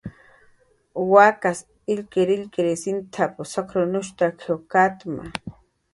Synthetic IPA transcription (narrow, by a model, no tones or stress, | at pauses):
wakas | ilkeɾilkeɾesint̪ʰaposokɾonʊʃt̪akʰewkat̪ma̰